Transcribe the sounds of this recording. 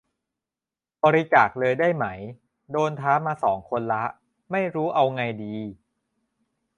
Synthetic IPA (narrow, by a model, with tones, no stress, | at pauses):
bɔː˧ɾi˧t͡ɕaː˨˩k̚lɤː˧jdaː˥˩jma˦˥j | doː˧nt̪ʰaː˦˥maː˧sɔː˩˦ŋkʰo˧nla˦˥ʔ | ma˥˩jɾuː˦˥ʔa˧wŋa˧jdiː˧